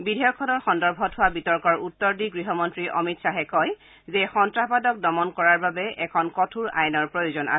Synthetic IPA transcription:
bidʱɔjɔkʰːɔnɔɹxɔndɔɹbʱɔtɦʊwabitɔɹkɔɹutːɔɹdiɡɹiɦɔmɔntɹiʔɔ̰mitsaɦɛkɔj | zɛxɔntɹapadɔk̚dɔmɔnkɔɹaɹbabɛɛkʰɔnkɔtʰuɹa̰jnɔɹpɹojozɔnʔa̰

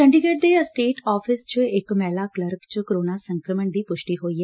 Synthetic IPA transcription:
kɛ̃ɳɖɪɡeːʈ̚d̪esʈeːʈɔːpʰɪst͡ʃəɪkmɛːlaːkləɾkt͡ʃkəɾoːnaːsə̃ŋkɾəməɳd̪iːpʊʃʈiːɦoːiːɦɛː

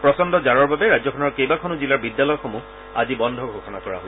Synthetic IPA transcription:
pɹɔsɔndɔzaɹɔɹbabɛɹazɔkʰɔnɔɹkejbakʰɔnuzilaɹbidjalɔjɔxomu | a̰zibɔndʱɔɡʱoxɔnakɔɹa̰ɦo

